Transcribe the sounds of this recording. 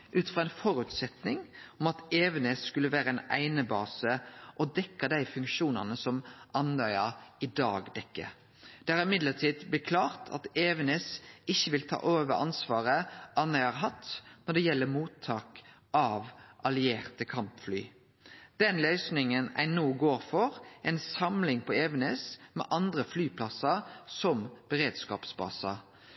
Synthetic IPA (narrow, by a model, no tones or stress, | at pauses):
ʔʉːt̪fʁɑːɛnfɔɾʉt̪sɛt̪nɪŋɔmɑt̪eːʋənesːkʉlːəʋæːɾəɛːnʔæ̰ɪnəbɑːsəʔɔd̪ɛkːɑd̪æɪfʉŋkʃuːnɑnəsɔmʔɑnœʏɑɪd̪ɑ̰ːɡd̪ɛkːə̰ | d̪̥ɛɑɾɪmɪd̪ləʈʰiːd̪bəkʰlɑːʁt̪ʰɑ̰t̪eːʋənesɪçːəʋɪlt̪ʰɑ̰ːʔoːʋəɾɑ̰nsʋɑːʁəʔɑnœɪɑɾɦɑt̪nɔɖ̪ɛjɛlːəmuːt̪ʰːɑːk | ʔɑʋʔɑlɪeːʁt̪əkʰɑmpfly̰ː | d̪̥ɛnlœʏsnɪŋənæ̰ɪnoːɡoːɾfɔʁʔɛnsɑmlɪŋpɔeːʋənɛsmɛ̰ːʔɑnd̪ɾəflyːpʰlɑsɑsɔmb̥əɾeːd̪skɑ̰ːpsbɑ̰sɑ